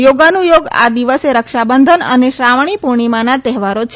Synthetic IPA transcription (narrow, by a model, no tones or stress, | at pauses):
joɡanũjoɡa̰d̪iʋəseɾəkʃabənd̪ʱənə̰neʃɾaʋɳ̃ipuɳ̃imanat̪ɛɦʋaɾot͡ʃʰ